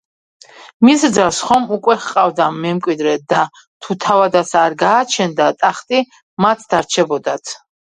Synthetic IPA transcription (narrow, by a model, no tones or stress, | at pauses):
misd̪zalsχɔmukʼwɛχqʼavd̪amɛmkʼwid̪ɾɛd̪a | t̪ʰut̪ʰavad̪at̪saɾɡaːt͡ʃʰɛnd̪at̪ʼaχt̪ʼi | mat̪ʰd̪̥aɾt͡ʃʰɛbɔd̪at̪ʰ